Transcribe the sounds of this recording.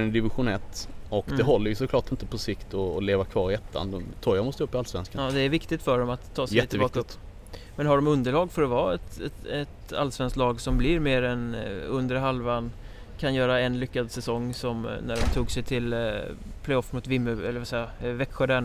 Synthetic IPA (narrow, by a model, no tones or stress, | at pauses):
ɛd̪ɪvɪɧʊnɛt̪ːɔkd̪ɛɦɔlːəɾjɵsɔkʰlɑːʈɪnt̪əpʰɔsɪkt̪ʰɔleːvakʰvɑːɾɪɛt̪ʰːa̰nd̪ɔmt̪ʰɔjamɔst̪əɵpːɪalsvɛ̰nskad̪ɛæɾvɪkt̪ɪɡt̪fœɖɔmat̪ʰːɑːsjɛt̪ːɪbɑːk̪ | mɛnɦaɖɔmɵnd̪əɭɑːɡfœɾɔvɑːɛt̪ɛɛt̪a̰lsvɛnsklɑːɡsɔmblɪɾmeːɾɛnɵnd̪əɾɦalvan | kʰanjœːɾaɛnlʏkːad̪sɛsɔŋːsɔmnæɖɔmt̪ʰuːɡsɛjt̪ʰɪl | pʰlɛjɔfmʊːt̪vɪmːəɛlːəɾvasɛjːavɛkɧaɖ̪æɳ